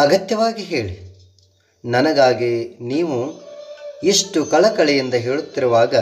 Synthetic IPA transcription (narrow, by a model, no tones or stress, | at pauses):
ɐɡɐt̪jɐʋaːɡiɦe̞ːɭi | nɐnɐɡaːɡiniːʋu | iʂʈukɐɭɐkɐɭɛjind̪ɐɦeːɭut̪ːiɾuʋaːɡɐ